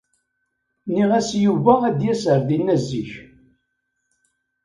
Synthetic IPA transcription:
niʁæsjuvææd̪jæsəɾðinːæzːiç

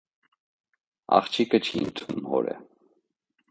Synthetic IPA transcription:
ɑ̰χt͡ʃʰikət͡ʃʰiənt̪ʰumhɔɾɛ̰

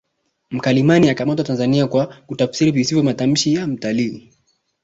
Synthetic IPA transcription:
m̩kalimaniakamatwatanzaniakwakutafsiɾivisivjɔmatam̩ʃijam̩taliː

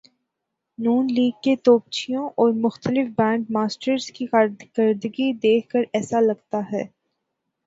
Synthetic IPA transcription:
nuːnliːɡ̚ket̪oːp̚t͡ʃʰijõʔɔːɾmʊxt̪əlɪfbɛ̃ːɳɖ̚maːsʈəɾzkiɡəɾd̪əɡid̪eːkʰkəɾɛːsalɐɡt̪aɦɛː

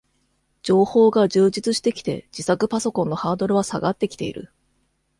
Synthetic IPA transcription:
d͡ʑ̥o̞ːho̞ːɡaʑɨːd͡ʑit͡sɨɕi̥t̪e̞kʲi̥t̪e̞̰d͡ʑ̥isakɯ̟paso̞kõ̞nːo̞haːd̪o̞ɾɯ̟βasa̰ɡat̪ːe̞kʲi̥t̪e̞̰ḭɾɯ̟̰

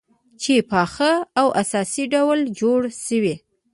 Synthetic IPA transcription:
t͡ʃepɑxəawʔasɑsiɖawld͡ʒoɽʃəwi

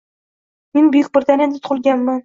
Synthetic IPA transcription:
menbʊjɪk̚ʲbɪɾd̪anend̪ɪt̪ʰʊ̥qʊlˠɡʲanman

